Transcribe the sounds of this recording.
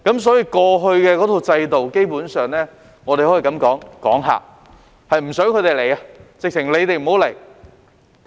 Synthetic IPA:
kɐ˨˥ms̬ɔː˨˥jiː˧kɔː˧ɦɵ˧ɥkɛː˧kɔ˨˥t̪ʰo˧wt͡sɐ˧jt̪o˨wke˥jpuː˨˥nsœː˨ŋnɛː˥ | ŋɔː˨˧t̪e˨hji˨˩kɐ˨˥mkɔː˨˥ŋkɔ̰ː˨˥ŋɦa̰ː˨˩ | hɐ˨jm̩˨˩sœː˨˥ŋkʰɵ˨˧t̪e˨˩jle˨˩ja˧t͡sɪ˨k̚t͡sʰɪ˨˩ŋle˨˧jt̪e˨jm̩˨˩ho˨˥wle˨˩j

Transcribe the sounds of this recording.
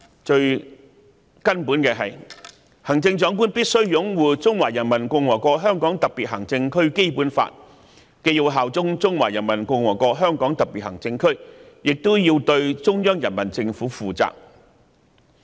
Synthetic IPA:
t͡ʃɵ˧ɥ | kɐ˥npuː˨˥nkɛː˧ɦɐ˨j | hɐ˨˩ŋt͡sɪ˧ŋt͡ʃɔː˨˥ŋkuː˥npiː˥t̚sɵ˥ɥjʊ˨˥ŋwuː˨˧t͡sʊ˥ŋwaː˨˩jɐ˨˩nmɐ˨˩nkʊ˧ŋwɔː˨˩kʷɔː˧k̚ɦœː˥ŋkɔː˨˥ŋt̪ɐ˨k̚piː˨t̚ɦɐ˨˩ŋt͡sɪ˧ŋkʰɵ˥ɥke˥jpuː˨˥nfa̰ː˧˨t̚ | ke˧jo˧wɦaː˨wt͡sʊ˥ŋt͡sʊ˥ŋwa̰ː˨˩jɐ˨˩nmɐ˨˩nkʊ˧ŋwɔː˨˩kɔː˧˥k̚ɦœː˥ŋkɔː˨˥ŋt̪ɐ˨k̚piː˨t̚hɐ˨˩ŋt͡sɪ˧ŋkʰɵ˥ɥjɪ˨k̚t̪ʊ˥wjiː˧wt̪ɵ˧ɥt͡sʊ˥ŋjœː˥ŋjɐ˨˩nmɐ˨˩nt͡sɪ˧ŋfuː˨˥fuː˨˩t͡sa̰ː˨k̚

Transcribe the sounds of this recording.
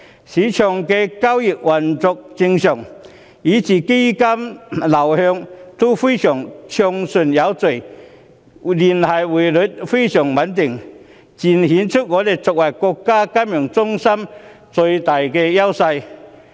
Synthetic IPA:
si˨˦t͡ɕʰjɔ˨˧˩ŋke˧ka˥wji˨˩t̚wa˨˩nt͡sɔ˧k̚t͡ɕi˧ŋɕjɔ˨˩ŋ | i˨˦t͡ɕi˨˩ke˥ka˦mla˨˩whœ˧ŋt̪u˦fi˥˦t͡ɕʰjɔ˨˩ŋt͡ɕʰjɔ˧ŋsu˨˩nja˨˦wt͡se˨˩j | li˨˩nha˨˩jwi˨˩lu˨˦t̚fi˦˥ɕjɔ˨˩ŋwa˨˦nt̪i˨˩ŋ | t͡ɕi˨˩nhi˨˦nt͡sʰu˥t̚ŋɔː˨˦le˧t͡sɔ˨k̚wa˨˩jkɔ˧kːaː˥ka˦˥mjɔ˨˩ŋt͡sʊ˥ŋsa˥m | t͡so˧jt̪a˨˩jke˧ja˦˥wsa˧j

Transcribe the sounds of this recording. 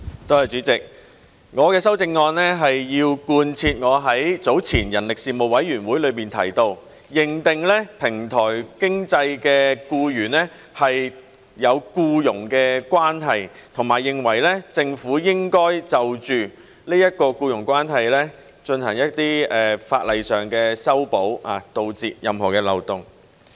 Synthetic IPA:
t̪o˥whɐ˨jt͡ʃyː˨˥t͡sɪ˨k̚ | ŋɔː˨˧kɛː˧sɐ˥wt͡sɪ˧ŋːɔː˧nlɛː˥ɦɐ˨jːiː˧wkuː˧nt͡sʰiː˧t̚ŋɔː˨˧ɦɐ˨˥jt͡so˨˥wt͡sʰiː˨˩njɐ˨˩nlɪ˨k̚siː˨mo˨˩wɐ˨˥jːyː˨˩nwuː˨˥jlɵ˨˧ɥmiː˨nt̪ʰɐ̰˨˩jt̪o˧w | jɪ˨˩ŋt̪ɪ˨ŋlɛː˥pʰɪ˨˩ŋt̪ʰɔː˨˩jkɪ˥ŋt͡sɐ˧jkɛː˧kuː˧jyː˨˩nɛː˥ | hɐ˨j | jɐ˨˧wkuː˧jʊ˨˩ŋkɛː˧kwaː˥nɦɐ˨jt̪ʰʊ˨˩ŋmaː˨˩jːɪ˨ŋwɐ˨˩jlɛː˥t͡sɪ˧ŋfuː˨˥jɪ˥ŋkɔː˥jt͡sɐ˨wt͡ʃyː˨˩ | niː˥jɐ˥t̚kɔː˧kuː˧jʊ˨˩ŋkʷwaː˥nɦɐ˨jlɛː˥ | t͡ʃɵ˧nhɐ˨˩ŋjɐ˥tt̪iː˥ɛː˨fa̰ː˧t̚lɐ˨jsœː˨ŋkɛː˧sɐ˥wpo˨˥wa̰ː˨t̪o˧wt͡siː˨t̚jɐ˨mɦɔː˨˩kɛː˧lɐ̰˨˩wt̪ʊ˨˩ŋ

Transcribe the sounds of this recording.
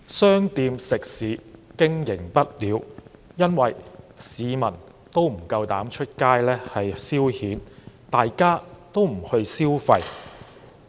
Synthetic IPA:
sœː˥ŋt̪iː˧msɪ˨k̚siː˨˥kɪ˥ŋjɪ˨˩ŋpɐ˥t̚liː˨˧wjɐ˥nwɐ˨jsiː˨˧mɐ˨˩n | t̪o˥wm̩˨˩kɐ˧wt̪aː˨˥mt͡ʃʰɵ˥t̚kaː˥jlɛː˥hɐ˨jsiː˥whiː˨˥nt̪aː˨jkaː˥t̪o˥wm̩˨˩hɵ˧ɥsiː˥wfɐ˧j

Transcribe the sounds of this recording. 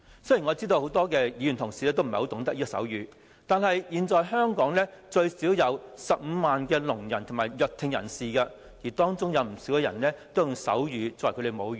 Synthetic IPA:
sɵ˥jiː˨˩ŋɔ˨˧˥t͡siː˥t̪o˧who˨˥wt̪ɔː˥kɛː˧jiː˨˧y˨˩nt̪ʰʊ˨˩ŋsi˨lɛ˥t̪wm̩˨˩o˧˥t̪ʊ˨˥ŋt̪ɐ˥k̚i˥sɐ̰˨˥wjyː˨˧ | t̪aː˨nɦɐ˨jjiː˨˧nt͡sɔː˨˧jɦœː˥ŋkɔː˨˥ŋlɛː˥t͡ʃɵ˧ɥsi˨˥wjɐ˨˧wsɐ˨p̚m̩ː˨˧maː˨nkɛː˧lʊ˨˩ŋjɐ̰˨˩nt̪ʰmaː˨˩jjœ˨k̚t̪ʰːɪ˨˧ŋjɐ̰˨˩nsiː˨kɐ˧ | jiː˨˩t̪ɔː˥ŋt͡sʊ˥ŋjɐ˨˧wm̩˨˩siː˨˥wkɛ˧jɐ̰˨˩nlɛː˥t̪o˥jʊ˨˧ŋsɐ̰˨˥wjyː˨˧t͡sɔː˨˩jkʰɵ˧ɾe˨˧jmo˨˧wjyː˨˩n

